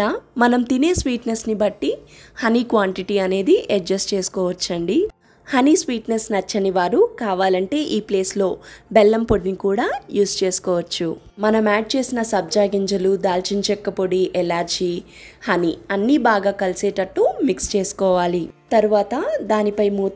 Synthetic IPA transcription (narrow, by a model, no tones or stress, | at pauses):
amɐnɐmt̪ineːsʋiːʈnesnibɐʈːihɐniːkʋaːɳʈiʈiɐne̞ːd̪iʔek̚d͡ʒɐst͡ʃe̞ːsu̥kɔːʋɐt͡ʃːɐɳɖi | hɐnisʋiːʈnesnɐt͡ʃːɐniʋaːɾukaːʋaːlɐɳʈe̞ːʔiːple̞ːslo̞ːbɛlːɐmpoɽinikuːɽaːjuːst͡ʃe̞ːsu̥kɔːʋɐt͡ʃːu | mɐnɐmaːʈ̚t͡ʃe̞ːsinɐsɐb̚d͡ʒaːɡiɲd͡ʒɐlud̪aːlt͡ʃint͡ʃɛkːɐpoɽiʔɛlaːɾd͡ʒiː | hɐniɐnːiːbaːɡaːkɐlisɛːʈɐʈːuːmikst͡ʃe̞ːsu̥kɔːʋaːlit̪ɐɾuʋaːt̪ɐd̪aːnipɐjmuː